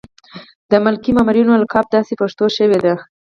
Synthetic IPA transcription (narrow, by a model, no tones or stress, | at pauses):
d̪əmʊlkimɑmɾjunolakɑb̚d̪ɑsepaʂt̪oʃəwed̪a